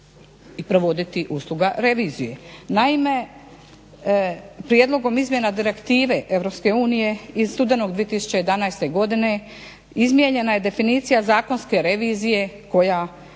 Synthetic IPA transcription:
ipɾo̞ʋo̞d̪it̪iʔuːslˠuɡaɾe̞ʋiːzije̞naime̞ | pɾje̞d̪lˠo̞ɡo̞mizmje̞nad̪iɾe̞kt̪iːʋe̞ʔe̞ʋɾo̞pske̞uːnije̞izst̪ud̪e̞no̞ɡd̪ʋiet̪isu̥t͡ɕe̞jed̪anajst̪e̞ɡo̞d̪ine̞ | izmje̞ɲe̞naje̞d̪e̞finiːt̪sijazaːko̞nske̞ɾe̞ʋiːzije̞ko̞ja

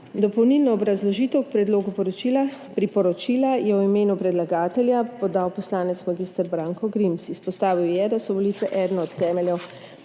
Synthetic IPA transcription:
d̪ɔpɔwnilnɔːbɾazlɔʒiːt̪ɛwk̚pɾɛd̪loːɡupɔɾɔt͡ʃiːla | pɾipɔɾɔt͡ʃiːlajɛwimeːnupɾɛd̪laɡaːt̪ɛljapɔd̪awpɔslaːnɛt̪smaɡ̪ist̪ɛɾbɾaːŋkɔɡɾimsispɔst̪aːʋiwjɛd̪asɔʋɔliːt̪ʋɛʔɛːd̪nɔɔt̪ʰːɛːmɛljɛw

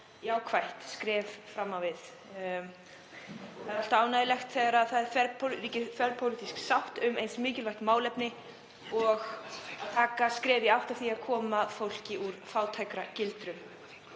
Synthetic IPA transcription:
jaːwkʰvajht̪skɾɛːvfɾamːawvɪð | ɛɾal̥t̪aːwnajðɪlɛxt̪θɛɣaɾaðθaðɛɾ̥fɛɾpʰɾiːcɪfɛɾpʰowlit̪isksawht̪ʏmejnsmɪːcɪlvajht̪maːwlɛpnɪ | ɔɣaðt̪ʰaːkaskɾɛːvjɪawht̪aw̥θiaðkʰɔːmaðfowl̥cɪʔuɾ̥faːwt̪ʰajkɾacɪlt̪ɾʏm

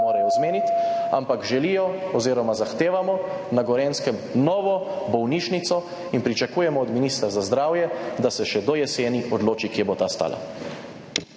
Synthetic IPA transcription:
oːɾɛjɔzmeːnit̪a̰mpakʒɛlijɔɔziːɾɔmazaxt̪eːʋamɔ | naɡɔɾeːnskɛmnɔːʋɔbɔwniːʃnit̪sɔ | inpɾit͡ʃakuːjɛmɔːd̪minist̪ɾazazd̪ɾaːwjɛd̪asɛʃɛd̪ɔjɛseːniɔd̪loːt͡ʃikjeɛbot̪aːst̪a̰ːla̰

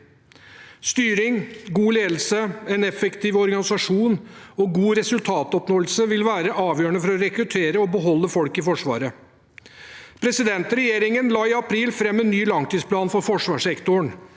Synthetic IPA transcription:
st̪yːɾɪŋɡuːleːd̪lsəɛnɛfɛkt̪iːʋɔɾɡɑnɪsɑʂuːnɔɡuːɾɛsʉlt̪ʰɑːt̪ɔpnoːəlsəʋɪlʋæːɾəʔɑːʋjøːɾəɳəfɔɾɔɾɛkɾʉt̪ʰeːɾəɔbəɦɔlːəfɔlkɪfɔʂʋɑ̰ːɾə | pʰɾɛsɪd̪ɛnt̪ɾɛjeːɾɪŋənlɑːɪɑpʰɾiːlfɾɛmːɛnːyːlɑŋt̪ʰiːspʰlɑːnfɔɾfɔʂʋɑːʂɛkt̪ʊəɳ

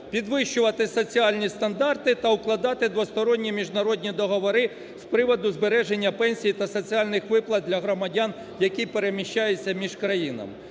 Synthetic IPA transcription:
pʲid̪ʋɪʃt͡ʃʊʋɐt̪ɪsɔt͡sʲiɑlʲnʲist̪ɐnd̪ɑrt̪ɪt̪ɐʊklˠɐd̪ɑt̪ɪd̪ʋɔst̪ɔɾɔnʲːimʲiʒnɐɾɔdʲnʲid̪ɔɦɔʋɔɾɪ | spɾɪʋɔd̪ʊzbeɾɛʒenʲːɐpɛnʲsʲijt̪ɐsɔt͡sʲialʲnɪxʋɪplˠɐd̪̚d̪ʲlʲɐɦɾɔmɐdʲɑn | jɐkijpeɾemʲiʃʲt͡ʃajet͡sʲːɐmʲiʒkɾɐjinɐ̰m

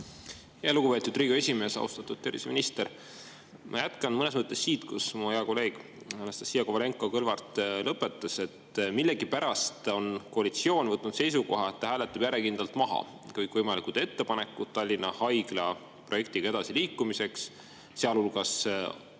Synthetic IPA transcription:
heelukupe̞t̪ud̪t̪riːɡ̥oe̞sʲime̞ːsɑ̰ṵst̪ɑt̪ːˑud̥̪̚t̪erviseminist̪eɾ | mʔɑ̰jæt̪kɑnmɤne̞smɤt̪ːˑe̞sːiːt̪kusmuheɑko̞le̞ːɡ̥ | hælɑst̪ɑ̥sijɑkovɑle̞ŋkːˑo̞kɤlvɑrt̪lɤpːˑe̞t̪ːˑɑse̞t̪milːe̞ɡipæɾɑst̪o̞nkoɑlit̪sio̞ːnvɤt̪ːˑnud̪̥se̞jsuko̞̰ɦɑe̞t̪ːɑɦæːle̞t̪ːˑɑb̥jæɾekind̪̥ɑlt̪mɑɦɑ̰ | kɯjkˑvɤjmɑlikud̪̥e̞t̪ːe̞pɑne̞kːˑut̪t̪ːɑlʲːinːɑhɑjɡ̥lɑ | pro̞je̞k̚t̪iɡ̥ɑe̞d̪̥ɑsiliːkˑːumise̞ks | seɑlulɡ̥ɑs

